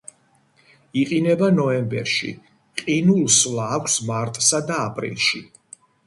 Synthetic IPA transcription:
iqʼinɛbanɔɛmbɛ̰ɾʃḭ | qʼinulˠslaːkʷʰsmaɾt̪ʼsad̪aːpʼɾḭlˠʃi

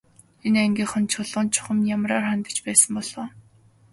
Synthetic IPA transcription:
enæŋɡʲiːχə̆nt͡ɕʰʊɮʊ̆ːnt͡ɕʰʊ̥χə̆mjamraːrχant̪ə̥̆t͡ɕpæːsə̆mpɔɮ̥oː

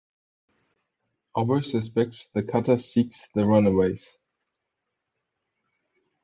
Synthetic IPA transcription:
ɔbəʊsɨspɛk̚tsðɨkʰʌtəsiksðəɹʌ̃nəweɪz̥

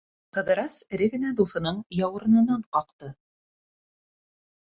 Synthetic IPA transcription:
qɤ̆ðɤ̆ɾɑsɘ̆ɾɘɡɘ̆næd̪uθɤ̆nɤɴjɑwɤ̆ɾɤ̆nɤ̆nɑɴqɑqt̪ɤ

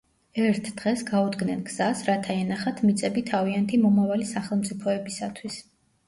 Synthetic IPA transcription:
ɛɾt̪ʰd̪̥ʁɛsɡaud̪ɡnɛnɡz̥asɾat̪ʰaɛnaχat̪ʰmit̪sʼɛbit̪ʰaviant̪ʰimɔmavalisaχɛlˠmt̪sʼipʰɔɛbisat̪ʰwis

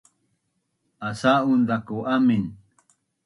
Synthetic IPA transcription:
asaund̪akoʔamin

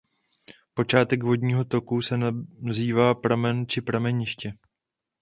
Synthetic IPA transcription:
po̞t͡ʃaːt̪ɛkvo̞dɲiːɦo̞t̪o̞kusɛnziːvaːpɾamɛnt͡ʃɪpɾamɛɲɪʃcɛ

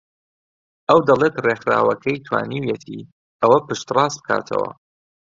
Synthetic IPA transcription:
ʔɐwd̪ɐlˠet̪rexɾa̰ːwɐkʰɐjt̪ʰwa̰ːniwjɛt̪ʰiː | ɐwɐpɨʃt̪rɑːsb̚ɨ̥kʰa̰ːt̪ʰɐ̰wɐ̰

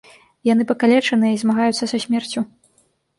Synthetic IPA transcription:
jan̪ɨpɐkalʲɛt͡ʂɐnɨjizmaɣajut̪sːɐsɐsʲmʲɛrt͡sʲu

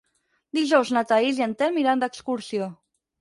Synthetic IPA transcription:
d̪iʒɔwznat̪aiziant̪ɛlmiɾand̪əkskuɾsio

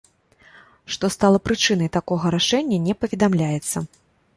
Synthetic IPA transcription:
ʂt̪ɔst̪alˠɐpɾɨt͡ʂɨn̪ɐjt̪akɔɣɐɾaʂɛnʲːɐnʲɛpɐvʲɛd̪amlʲajɛt̪sːɐ

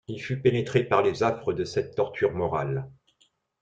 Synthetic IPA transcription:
ilfypenet̪χepaʁlezafχəd̪əsɛt̪ːɔʁt̪ʰyʁmɔʁa̰l

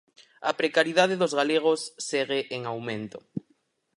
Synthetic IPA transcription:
apɾekaɾjiðaðeðozɣaleɣ̞osːeɣeʔeŋawmẽnt̪o

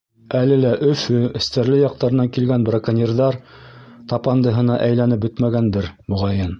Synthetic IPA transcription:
ælɘ̆læʔɵ̆fɵɘ̆st̪æɾlɘjɑq̚t̪ɑɾɤ̆nɑŋkilɡænbrakanʲirðɑɾt̪ɑpɑnd̪ɤ̆ɦɤ̆nɑʔæjlænɘp̚bɵt̪mæɡænd̪ɘɾmŏʁɑjɤn

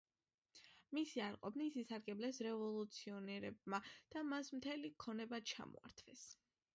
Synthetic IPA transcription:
misiaɾqʼɔbnisisaɾɡɛblɛsɾɛvɔlˠut̪sʰiɔnɛɾɛb̚mad̪̥amasmt̪ʰɛlikʰɔnɛbat͡ʃʰa̰mɔ̰a̰ɾt̪ʰvɛs

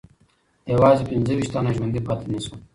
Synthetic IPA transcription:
jawɑːzepɪnzəwiʃt̪anaʒwand̪ipɑt̪enisu

